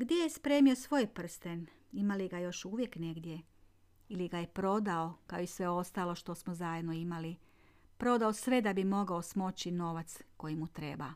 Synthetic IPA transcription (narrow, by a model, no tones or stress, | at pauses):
ɡd̪jejespɾe̞ːmio̞sʋo̞jpr̩st̪en | imaliɡajo̞ʃuːʋje̞kne̞ɡd̪je̞ | iliɡaje̞pɾo̞d̪aokaoisʋe̞o̞st̪aːlˠo̞ʃt̪o̞smozajed̪no̞imali | pɾo̞d̪aosʋe̞d̪abimo̞ɡao̞smo̞t͡ɕino̞ʋat̪sko̞jimut̪ɾe̞ba